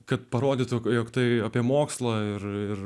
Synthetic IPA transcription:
kɐt̪̚pɐɾoːd̪ʲiːt̪kjoːkt̪ɐɪɐpʲiɛmoːkslˠɐɪɾɪr

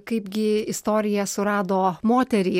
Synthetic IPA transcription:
kɐɪpɡʲɪɪst̪oːɾʲɪjɛsʊɾɑːd̪oːmoːt̪ʲɛɾʲiː

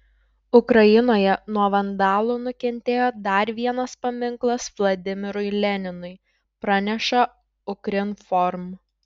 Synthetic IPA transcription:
ʊkɾɐjɪnoːjɛnuɔʋɐnd̪ɑːlˠuːnʊkʲɛnʲt̪ʲeːjoːd̪ɐɾʲʋʲiɛnɐspɐmʲɪŋklˠɐsʋlˠɐd̪ʲɪmʲɪɾʊɪlʲɛnʲɪnʊɪ | pɾɑnʲɛʃɐ | ʊkɾʲɪnfɔɾm

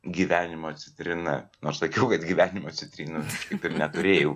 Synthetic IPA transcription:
ɡʲiːʋʲæːnʲɪmoːɐt̪ʲsʲɪt̪ʲɾʲɪnɐnoːrssɐkʲɛʊkɐt̪ɡʲiːʋʲæːnʲɪmoːt̪ʲsʲɪt̪ʲɾʲiːnɐʃkɐɪpɪrnʲɛt̪ʊɾʲeːjɛʊ

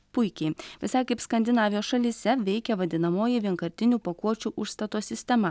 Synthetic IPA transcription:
pʊɪkʲɛɪʋʲɪsɐɪkɐɪpskɐnʲd̪ʲɪnɑːʋʲɪjoːsʃɐlʲisʲɛʋʲɛɪkʲɛʋɐd̪ʲɪnɐmoːjɪʋʲiɛŋkɐɾʲt̪ʲɪnʲuːpɐkuɔt͡ʃʲuːʔʊʃst̪ɐt̪oːsʲɪsʲt̪ʲɛmɐ

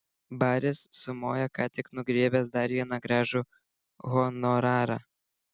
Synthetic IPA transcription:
bɑːɾʲɪsːʊmoːjɛkɑːt̪ʲɪknʊɡɾʲiɛbʲɛsd̪ɐɾʋʲiɛnɐɡɾɑːʒʊ | ɣɔnɔɾɑːɾɑ̰

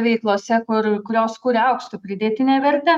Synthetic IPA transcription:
ʋʲɛɪklˠoːsʲɛkʊɾkʊɾʲoːskuːɾʲɛɐʊkst̪ʊpʲɾʲɪd̪ʲeːt̪ʲɪnʲeːʋʲɛɾʲt̪ʲɛ

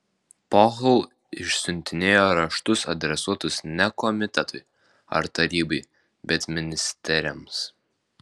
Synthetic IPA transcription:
pɔːɣlˠ | ɪʃsʲʊnʲt̪ʲɪnʲeːjoːɾɐʃt̪ʊsɐ̰d̪ʲɾʲɛsuɔt̪ʊsnʲɛkɔmʲɪt̪ʲɛt̪ʊɪ | ɐ̰ɾt̪ɐɾʲiːbɐɪ | bʲɛt̪mʲɪnʲɪsʲt̪ʲɛɾʲɛms

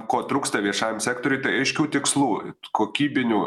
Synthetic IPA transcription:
koːt̪ɾuːkst̪ɐʋʲiɛʃɑːjmsʲæːkt̪oːɾʲʊɪt̪ɐɪɐɪʃʲkʲuːt̪ʲɪkslˠuːkoːkʲiːbʲɪnʲuː

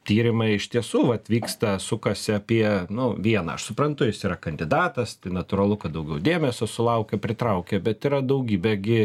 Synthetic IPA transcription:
t̪ʲiːɾʲɪmɐɪɪʃt̪ʲiɛsuːʋɐt̪ʋʲiːkst̪ɐsʊkɐsʲɪɐpʲiɛnʊʋʲiɛnɐ̰ɐ̰ʃsʊpɾɐnt̪ʊjɪsiːɾɐkɐnʲd̪ʲɪd̪ɑːt̪ɐst̪ɐɪnɐt̪ʊɾɐlˠʊkɐt̪̚d̪ɐʊɡʲɛʊd̪ʲeːmʲɛsʲosʊlˠɐʊkʲɛpʲɾʲɪt̪ɾɐʊkʲɛbʲɛt̪iɾɐd̪ɐʊɡʲiːbʲɛɡʲɪ

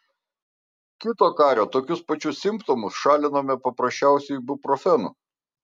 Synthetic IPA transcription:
kʲɪt̪oːkɑːɾʲoːt̪oːkʲʊspɐt͡ʃʲʊssʲɪmˑpt̪ɔmʊsʃɑːlʲɪnoːmʲɛpɐpɾɐsʲt͡ʃʲæˑʊsʲɛɪbʲʊpɾɔfʲɛnṵ

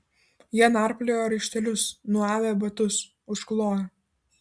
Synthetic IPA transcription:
jiɛnɑˑɾpʲlʲejoːɾʲɛɪʃʲt̪ʲɛlʲʊsnuɑːʋʲɛːbɐt̪ʊs | ʊʃklˠoːj

